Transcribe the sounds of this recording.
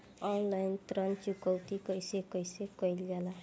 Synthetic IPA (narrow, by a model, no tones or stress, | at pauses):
ɔnlajnt̪ɾʌnt͡ʃukʌwt̪ikʌjsekʌjsekʌjlɡala